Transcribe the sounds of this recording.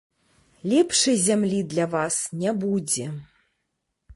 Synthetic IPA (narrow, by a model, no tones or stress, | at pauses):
lʲɛpʂɨjzʲamlʲid̪lʲavasnʲɛbud͡zʲɛ